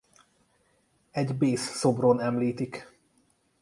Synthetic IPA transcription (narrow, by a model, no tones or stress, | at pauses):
ɛɟbeːsːo̞bronɛmliːt̪ik